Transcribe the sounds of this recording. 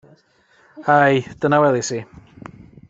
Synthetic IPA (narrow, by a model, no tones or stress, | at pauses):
hajd̥ənawɛðˠisi